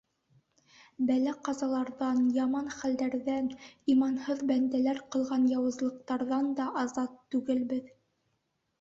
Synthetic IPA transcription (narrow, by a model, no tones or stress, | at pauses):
bælæqɑzɑlˠɑɾðɑnjɑmɑnχæld̪æɾðænimɑnhɤðbænd̪ælæɾqɤ̆lˠʁɑnjɑwɤ̆zlˠɤ̆q̚t̪ɑɾðɑnd̪ɑʔɑzɑt̪ːʉɡɘlbɘð